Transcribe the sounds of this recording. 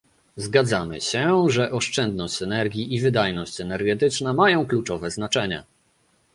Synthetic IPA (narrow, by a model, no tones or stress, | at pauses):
zɡad̪zamɘ̰ɕɛʐɛʔɔʂt͡ʂɛnd̪̚nɔɕt͡ɕɛnɛɾɡʲiʔivɘd̪ajnɔɕt͡ɕɛnɛɾɡɛt̪ɘt͡ʂnamajɔ̃w̃klut͡ʂɔvɛznat͡ʂɛɲa̰